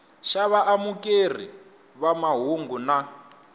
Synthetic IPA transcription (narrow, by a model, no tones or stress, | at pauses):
ʃaβaʔamukʼer̤ḭ | βamaɦuŋɡuna